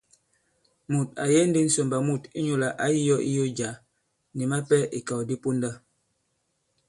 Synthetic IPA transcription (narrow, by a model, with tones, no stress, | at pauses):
mu˨t̚a̰˨jɛ˦n̩˦di˦n̩˦so˨mba˨mu˦˨ti˦ɲo˦˨la˨ʔa˦ji˦jɔ˦ʔḭ˦jo˦d͡ʒa˨ | ni˨ma˦pɛ˦i˨ka˨wdi˦pu˦nda˦